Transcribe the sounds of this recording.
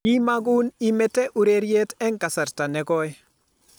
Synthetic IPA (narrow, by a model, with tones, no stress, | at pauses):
i˦ma˦ɡʊ˦ni˦mɛ˦tɛ˦ʔu˨ɾe˦ɾje˦tɛ˦ŋka˨sa˨ɾta˨nɛ˨ɡɔ˦ɛ